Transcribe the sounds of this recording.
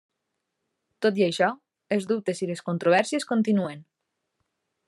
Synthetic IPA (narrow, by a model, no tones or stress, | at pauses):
t̪ot̪jajʃɔ | ezdup̚t̪esiðeskont̪ɾoβɛɾsjeskont̪inuen